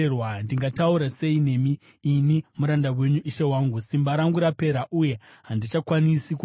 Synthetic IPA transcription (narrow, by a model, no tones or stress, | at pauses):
rwandiŋɡatauɾase̞ine̞miː | nimuɾandawe̞ɲuʔiʃe̞waːŋɡusimbaɾaŋɡuɾape̞ɾaʔuje̞ɦandit͡ʃakwanisik